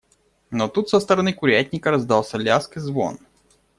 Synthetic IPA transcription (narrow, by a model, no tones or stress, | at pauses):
not̪ut̪səst̪əɾɐnɨkʊɾʲætʲnʲɪkəɾɐzd̪ɑlˠsʲɐlʲaskɨzvo̰n